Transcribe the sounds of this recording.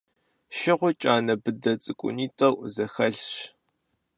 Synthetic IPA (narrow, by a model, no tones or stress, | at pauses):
ʃɪʁʷʊt͡ʃʼaːnɐbɨdɐt͡sʼɨkʷʼʊ̰niːtʼɐwzɐxɐɬɕ